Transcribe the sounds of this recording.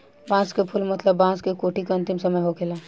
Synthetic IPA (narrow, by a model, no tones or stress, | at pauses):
bãːskepʰʊlmɐt̪ləbːãːskekoːʈikeɐ̃nt̪ɪmsɐməjɦokʰelaː